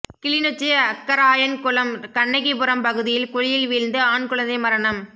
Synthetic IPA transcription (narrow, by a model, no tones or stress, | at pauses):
kɪɭɪnot͡ʃːiɐkːɐɾaːjɐnkʊɭɐmkɐɳːɐɪɣipʊɾɐmpɐɣɯðɪjɪlkʊɻɪjɪlʋiːɻnd̪ɯaːɳkɯɭɐnd̪ɐɪmɐɾɐɳɐm